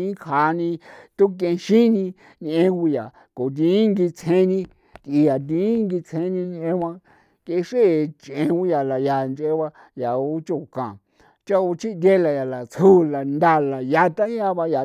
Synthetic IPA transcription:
ĩ˦kʰha˧˦nĩ˧t̪u˦k̬ẽ˧ʃĩ˦nĩ˧ | n˧ẽ˧wu˧ja˨ | ko˨t̪̬ĩ˧˦ŋɡi˧t͡sʰẽ˧˦nĩ˧ | t̪i˧ja˨t̪̬ĩ˧˦ŋɡi˧t͡sʰhẽ˧˦nĩ˧n˧ẽ˧˦wã˧ | kẽ˧ʂe˦˨t͡ʃʔẽ˧wu˦ja˨la˨ja˧˨nt͡ʃʔe˧˦βa˧ | ja˨u˦t͡ʃo˧˨kã˨ | t͡ʃa˦u˧t͡ʃi˦ʔd̪je˦la˧ja˨la˨t͡sʰu˦la˨nd̪a˧la˨ja˧t̪a˦ã˧βa˧ja˨

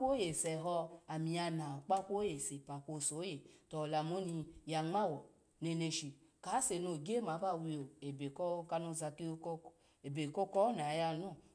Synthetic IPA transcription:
o˦je˨sɛ˨ɦɔ˧a˨mĩ˨a˧na˨o˨k͡pa˦kʷo˦je˨se˨pa˨ko˧˨so˨˦je˨tɔ˨la˧mo˦ni˧ja˧ŋ͡ma˦˨wɔ˨ | ne˧ne˧ʃi˧ka˨˦se˧˨no˧˨ɡe˦ma˨˦ba˦˨wi˧o˨e˨be˨kɔ˦o˦ka˧no˧˨za˧ki˦o˧˦ko˦k | e˨be˨ko˦kɔ˦na˨˦ja˧no˦˨

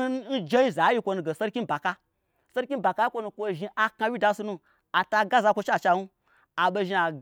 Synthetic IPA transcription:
n̩˦d͡ʒe˦i˦za˨˦ji˦kʷo˧nu˧ɡe˨so˦ɾkʲi˦n˨ba˨ka˧ | se˦ɾkʲi˦ba˨ka˦ji˦kʷo˧nu˧kʷo˧ʒi˧ʔa˨ka˧wʲi˦da˧˦su˧nu˧ | a˨ta˧ɡa˦za˧kʷo˧t͡ʃa˦˨t͡ʃa˧nu˦ | a˨ɓo˧ʒi˧a˨

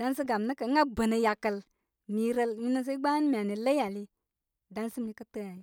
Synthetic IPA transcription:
da˦nsə˦ɡa˨mnə˦kə˨˦ŋɡa˦bə˨nə˨ja˨kə˨l | mi˨ɾə˦lmi˦nə˦s̬e˦ɡ͡ba˦n˦mi˨a˨ni˨lə˦a˨li˦ | da˦nsi˦mi˧kə˦tə˦ja˨j

